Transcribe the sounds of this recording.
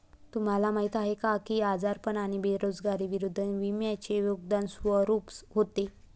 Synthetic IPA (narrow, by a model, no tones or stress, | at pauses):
t̪um̤alamaɦit̪aɦekakiad͡zaɾpəɳaɽ̃ibeɾod͡zɡaɾiʋiɾud̪ʱːəʋimjat͡ɕejoɡd̪ansʋəɾupɦot̪e